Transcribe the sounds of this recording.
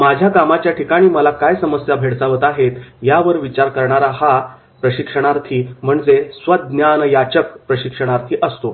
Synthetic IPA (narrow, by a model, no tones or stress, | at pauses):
mad͡ʑʱjakamat͡ɕjaʈikaɽ̃iːməlakajsəməsjabʱeɽsaʋət̪aɦet̪jaʋəɾʋit͡ɕaɾkəɾɳaɾaha | pɾəɕikʂəɽ̃aɾt̪ʰiːm̤əɳd͡zesʋəd̪̚njanəjat͡ɕəkpɾəɕikʂəɽ̃aɾt̪ʰiːʔəst̪o